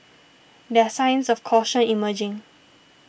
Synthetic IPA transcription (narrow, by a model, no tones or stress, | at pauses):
dɛsãjnsɔfkʰɔʃə̃niməd͡ʒĩŋ